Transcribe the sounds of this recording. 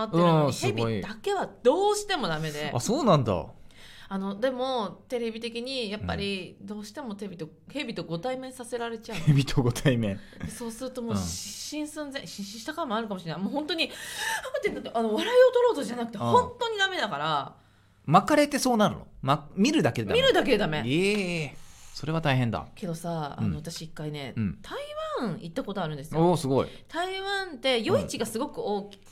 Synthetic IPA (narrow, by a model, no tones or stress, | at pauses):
at̪ɯẽɾɯ̃noɲisheɨɡbiid̪ake̞β̞ad̪̥o̞ːɕi̥t̪e̞mo̞d̪ame̞d̪e̞a̰so̞ːnãnd̪a̰ | ano̞d̪e̞mo̞t̪e̞ɾe̞bʲit̪e̞kʲiɲ̟ijapːa̰ɾʲid̪o̞ːɕi̥t̪e̞mo̞t̪̬e̞bʲit̪o̞ | he̞bʲit̪o̞ɡo̞t̪aimẽ̞ɰ̃sase̞ɾaɾe̞t͡ɕaɯ̟ebʲit̪ʰoɡo̞t̪ʰaimẽ̞ɰd̪eso̞ːsɨɾɯ̟t̪o̞mo̞ːɕiɕĩɰ̃sɨ̃nzẽ̞ɕĩɕĩɕi̥t̪akãmoaɾɯkamo̞ɕinaimoːhõ̞nt̪o̞ɲ̟imt̪enat̪ːeʔano̞βaɾaio̞t̪o̞ɾo̞ːt̪oʑanakɯ̟t̪ehõ̞nt̪o̞ɲ̟id̪ame̞d̪akaɾa | makaɾe̞t̪e̞so̞ːnaɾɯ̟no̰mamʲiɾɯ̟d̪aked̪amiɾɯ̟d̪ak̬ed̪ame̞e | so̞ɾe̞βat̪aiɦẽ̞nd̪a̰ke̞d̪o̞saa̰no̞βat̪aɕiːkːaine̞ɯ̟̃ɴt̪ʰaiβãit̪ːako̞t̪o̞aɾɯ̟nd̪esɨjoːsɨɡo̞ḭ | t̪aiβãnt̪e̞jo̞it͡ɕiɡasɨɡo̞kɯ̟o̞ːkʲi̥